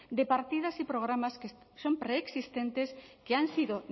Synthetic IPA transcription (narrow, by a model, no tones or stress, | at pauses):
d̪epaɾt̪ið̞ɐsipɾoɣ̞ɾamaske | sompɾeːksist̪ent̪eskeaŋsiðo